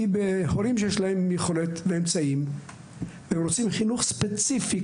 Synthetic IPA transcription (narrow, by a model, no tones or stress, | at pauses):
ibehoɾimʃejeʃlahe̞mjeχolet̪veemt͡saim | veemɾot͡simχinuχspet͡sifi